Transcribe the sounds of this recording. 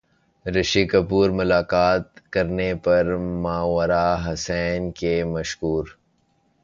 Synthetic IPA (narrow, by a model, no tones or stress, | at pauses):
ɾɐʃiːkɐpuːɾmʊlaːkaːt̪̚kɐɾnepɐɾmãːwɐɾaɦɐsɛːnkemɐʃkuːɾ